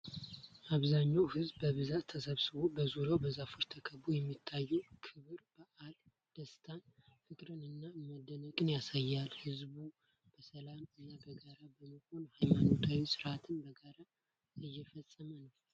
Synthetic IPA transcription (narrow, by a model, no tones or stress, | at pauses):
ʔaβzaɲːawhɨzbːəβɨzat̪ʰːəsəβsɨβobəzuɾawbəzafɨɾt̪ʰəkʰəβujɛmːit̪ʰːajːɛkʰɨβɨɾbaʔal | d̪̥əst̪ʰanfɨkʼɾɨnɨnːamad̪ːənəkʼɨnjasajːalhɨzbu | b̥əsəlamɨnːabəɡaɾabəməho̞nhajmano̞t̪ʰawisɨɾʔat̪ʰɨnbəɡaɾa | ɨjːɛfəsʼəmənəw